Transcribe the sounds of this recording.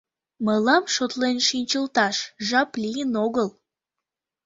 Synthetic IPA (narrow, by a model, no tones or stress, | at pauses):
məlɑmʃot̪lenʃinʲt͡ɕəlt̪ɑʃʒɑplijənoɣəl